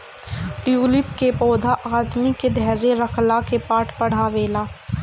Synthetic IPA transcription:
ʈjuːlɪpkepɔːd̪ʱaʔaːd̪miked̪ʱɛːɾeɾəkʰlakepaːʈʰpəɽ̤aʋeːlaː

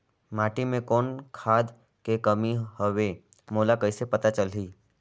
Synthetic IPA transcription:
maːʈimẽkoːnkʰaːd̪ | kekəmiɦəʋe | moːlakəɪsepət̪at͡ʃəliː

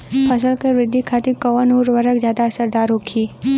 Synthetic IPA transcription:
pʰəsəlkeʋɾɪd̪ʱːikʰaːt̪ɪkəʋənuːɾʋəɾəkzjaːd̪asəɾd̪aːɾɦoːkʰiː

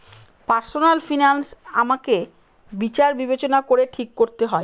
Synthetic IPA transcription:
paɾsonalfinansa̰make | bit͡ɕaɾbibet͡ɕonakoɾeʈʰikːoɾt̪eɦɔe

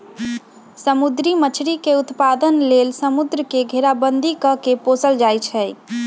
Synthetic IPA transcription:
səmud̪ɾimət͡ʃʰɾikeut̪pad̪ənlelsəmud̪ɾəkeɡʱeɾabənd̪ʱikəkeposəld͡ʒajt͡ʃʰɛ

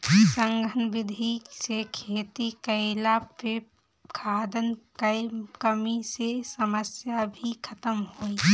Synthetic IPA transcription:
səŋɡʱənbɪd̪ʱisekʰeːt̪ikəɪlape | kʰaːd̪ənkəɪkəmisesəməsjabʱikʰət̪əmɦoi

